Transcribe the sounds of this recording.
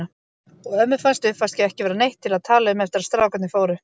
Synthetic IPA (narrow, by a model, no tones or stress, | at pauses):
a | ɔɣœmːʏfanst̪ʏfanst̪cɛɛhcɪvɛːɾanejht̪ʰːɪlaðt̪ʰaːlaʏmɛft̪ɪɾast̪ɾaːwkat̪nɪfoːwɾʏ